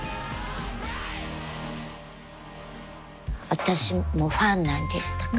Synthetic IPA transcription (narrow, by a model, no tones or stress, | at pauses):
at̪aʃimoɸanːand̪est̪ḁk